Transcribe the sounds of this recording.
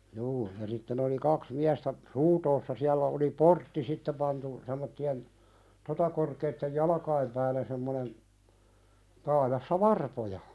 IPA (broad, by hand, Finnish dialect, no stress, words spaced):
juː jɑ sitːen oli kɑks miæstæ runtoːsːɑ siælːæ oli portːi sitːe pɑntu semˑotːien totɑ korkeitːej jɑlɑ̆kɑim pæːlˑæ semːonen tɑːjɑsːɑ ʋɑrpojɑ